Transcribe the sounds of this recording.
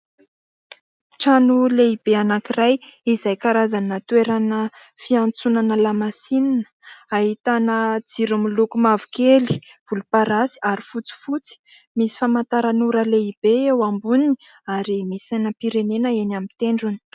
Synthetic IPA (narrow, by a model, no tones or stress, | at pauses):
ʈ͡ʂanuleibeanakirajizajkaɾazanat̪weɾanə | fiant͡sunanəlamasinanə̥aɦit̪anəd͡ziɾumilukumavu̥keli̥ | v̥ulupaɾasi̥aɾifut͡si̥fut͡si̥ | misi̥famant̪aɾanuɾəleib̥eewambunini | aɾimisajnəpiɾenenəenamit̪eɳɖ͡ʐuni̥